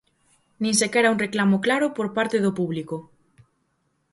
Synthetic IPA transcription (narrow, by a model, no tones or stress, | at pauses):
nĩŋsekɛɾauŋreklamoklaɾʊpoɾpaɾt̪eðopuβliko